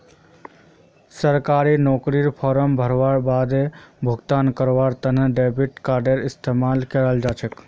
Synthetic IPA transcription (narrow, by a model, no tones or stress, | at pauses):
səɾkaɾinokɾiɾpʰɔɾəmbʱəɾʋaɾbad̪ebʱuɡt̪ankəɾʋaɾt̪ənəɖebiʈkaɾɖeɾist̪emalkəɾəld͡ʒat͡ʃʰək